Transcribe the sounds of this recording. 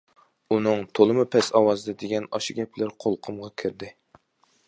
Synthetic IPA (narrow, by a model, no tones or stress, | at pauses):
unɨŋt̪ʰolˠɨmɨpʰɛsɑwɑzɨd̪ɛd̪eɡʲɛnɑʃiɡʲɛplɪɾqʰolˠqʰʊmʁɑkʲʰɪɾd̪ɪ